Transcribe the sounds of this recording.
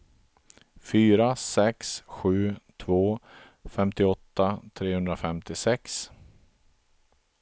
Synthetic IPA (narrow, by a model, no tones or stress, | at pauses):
fyːɾasɛksɧʉ̟ːt̪ʰvoː | fɛmt̪ɪɔt̪ːat̪ʰɾeːhɵnd̪ɾafɛmt̪ɪsɛks